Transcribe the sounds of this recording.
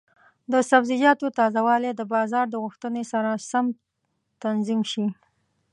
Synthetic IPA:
d̪əsabzɪd͡ʒɑt̪ot̪ɑzawɑled̪əbɑzɑɾd̪əɣʊxt̪ənesaɾasam | t̪anzimʃi

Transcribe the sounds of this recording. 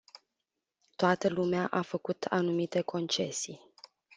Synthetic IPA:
t̪oat̪əlumeaʔafəkut̪ʰa̰numit̪e̞kʰo̞nt͡ʃe̞si

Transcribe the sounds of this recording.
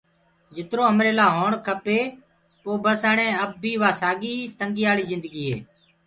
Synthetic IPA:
d͡ʒɪt̪ɾoːəmɾeːlaːɦoːɳkʰəpeː | poːbəsəːɳẽːəbːiːʋaːsaːɡiːt̪əŋɡiːaːɭiːzɪ̃nd̪əɡiːɦḛː

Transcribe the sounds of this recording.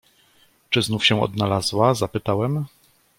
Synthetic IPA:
t͡ʂɘznufɕɛ̃ɔ̰d̪nalazwazapɘt̪awɛm

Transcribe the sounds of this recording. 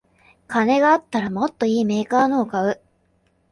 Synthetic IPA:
kane̞ɡaːt̪ːaɾamo̞t̪ːo̞iːme̞ːkaːno̞ːkaɯ̟

